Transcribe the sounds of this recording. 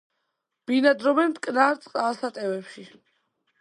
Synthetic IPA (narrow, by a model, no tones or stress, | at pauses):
b̥inad̪ɾɔbɛnt̪ʼkʼnaɾt̪sʼqʼasat̪ʼɛvɛpʃi